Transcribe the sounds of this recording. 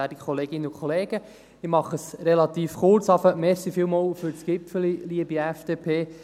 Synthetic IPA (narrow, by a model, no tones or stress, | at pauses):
ædikkχɔleːɡ̥ɪnːəukʰχɔleːɡ̥ə | ɪmɑχəsɾɛlɑt̪iːfχʊrt͡sɑfəmɛɾsifɪːlmoːwfʏɾt͡sɡ̥ɪpfəliliəbiæfd̥eːpʰeː